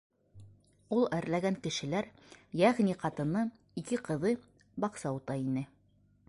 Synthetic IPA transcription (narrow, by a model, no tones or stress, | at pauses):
ulˠæɾlæɡæŋkɘ̆ʃɘ̆læɾ | jæʁniqɑt̪ɤ̆nɤ | ikɘqɤ̆ðɤ | bɑqsɑut̪ɑinɘ